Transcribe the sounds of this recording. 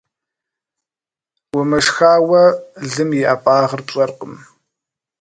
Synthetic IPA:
wəmɐʂxaːwɐɮɨmjɪaːpʼaːʁərpɕʼɐrqəm

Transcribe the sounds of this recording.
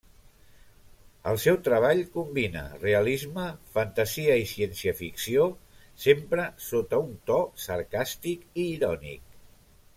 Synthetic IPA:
ə̰lˠsɛwt̪ɾəβ̞aʎkumbinə̰reəlizməfənt̪əziəisiɛnsiəfiksio | sempɾəsot̪əunt̪ɔsəɾkast̪ikiːɾɔnḭk̚

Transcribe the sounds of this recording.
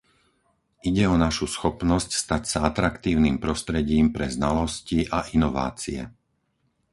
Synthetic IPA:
iɟɛɔnaʃusxɔpnɔscst̪acsaat̪ɾakt̪iːʊniːmpɾɔst̪ɾɛɟiːmpɾɛznalɔsciʔaʔinɔʋa̰ːt͡siɛ̰

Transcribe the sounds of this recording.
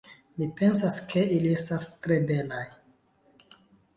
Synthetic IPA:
mipe̞nsaskʰe̞ilie̞stastɾe̞be̞laj

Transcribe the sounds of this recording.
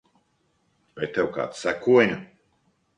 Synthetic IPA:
vajt̪ewka̰ːt̪sækuɔjnʲu

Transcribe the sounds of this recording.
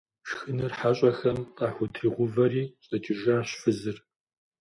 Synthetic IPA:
ʃxɨnɨrħaɕʼɐxɐmqʼɑːħʷʊtʰriʁʷʊvɐɾiːɕʼɐtʰiʒaːɕfɨzɨr

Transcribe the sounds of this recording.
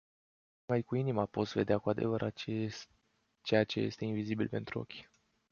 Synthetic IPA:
majkuinimapo̞t̪sve̞d̪eakuad̪e̞̰vəɾʔa̰e | t͡ʃe̞jat͡ʃe̞je̞̰st̪e̞invizibilpe̞nt̪ɾuo̞̰kʲ

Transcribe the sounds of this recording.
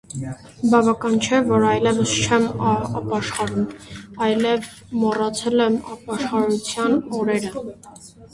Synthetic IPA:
bɑvɑkɑnt͡ʃʰɛvɔɾɑjlɛvəst͡ʃʰɛmɑpɑʃχɑɾumɑjlɛv | mɔrɑt͡sʰɛlɛmɑpɑʃχɑɾut͡sʰjɑnɔɾɛɾə

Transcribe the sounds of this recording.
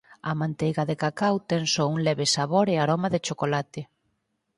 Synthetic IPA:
ɐmãnt̪ejɣaðɪkakawt̪ɛŋsouŋlɛβɪsaβoɾeaɾomaðɪt͡ʃokolat̪ɪ

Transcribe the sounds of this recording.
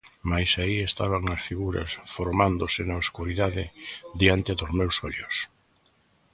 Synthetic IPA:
majsaiest̪aβaŋnɐsfiɣuɾɐ̰sfoɾmand̪ʊsɪnaoskuɾiðaðɪd̪iant̪ɪðʊzmewsɔʎʊs

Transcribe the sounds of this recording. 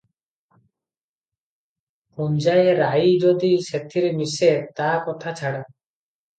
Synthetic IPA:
pund͡ʒajeɾaid͡ʒod̪iset̪ʰiɾemiset̪akɔt̪ʰat͡ʃʰaɽa

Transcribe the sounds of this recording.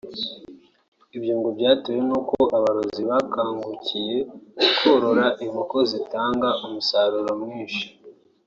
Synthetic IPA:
ibjuːŋɡobɟaːtojenukoaβaɾoziβakaːŋɡucʰije̞kukʰoɾo̞ɾaʔimukozitaːŋɡaʔumusaːɾuɾamŋiːnʃi̥

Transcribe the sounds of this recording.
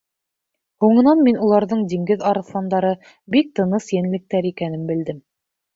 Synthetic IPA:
huɴɤ̆nɑnminulˠɑɾðɤɴd̪iŋɡɘðɑɾɤ̆θlˠɑnd̪ɑɾɤ | bik̚t̪ɤ̆nɤsjænɘ̆lɘ̆k̚t̪æɾikænɘmbɘ̆ld̪ɘm

